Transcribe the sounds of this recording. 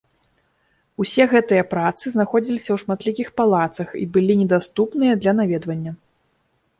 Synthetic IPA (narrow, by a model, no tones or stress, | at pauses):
usʲɛɣɛt̪ɨjɐpɾat̪sɨznaxɔd͡zʲilʲisʲɐwʂmat̪lʲikʲixpalˠat̪sɐxḭbɨlʲinʲɛd̪ast̪upnɨjɐd̪lʲɐnavʲɛd̪vɐnʲːɐ